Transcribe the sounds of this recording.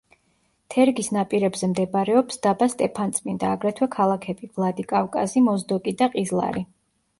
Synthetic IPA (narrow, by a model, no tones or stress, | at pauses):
t̪ʰɛɾɡisnapʼiɾɛbzɛmd̪ɛbaɾɛɔpsd̪abast̪ʼɛpʰant̪sʼmind̪aːɡɾɛt̪ʰwɛkʰalˠakʰɛb̥ivlˠad̪ikʼafkʼa̰zimɔzd̪ɔkʼid̪aqʼizlˠa̰ɾi